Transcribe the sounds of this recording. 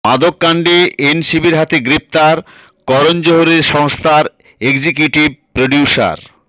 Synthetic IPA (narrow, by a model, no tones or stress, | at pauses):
mad̪okːaɳɖeenʃibiɾɦat̪eɡɾep̚t̪aɾ | kɔɾond͡ʑoɦoɾeɾʃɔŋst̪ʰaɾ | eɡd͡ʑikjuʈib̚pɾoɖiuʃa̰ɾ